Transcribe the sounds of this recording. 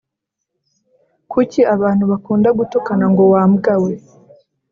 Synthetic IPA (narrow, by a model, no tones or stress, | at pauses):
kuciʔaβaːn̥huβakuːndaɡutokanaŋɡo̞waːmɡawe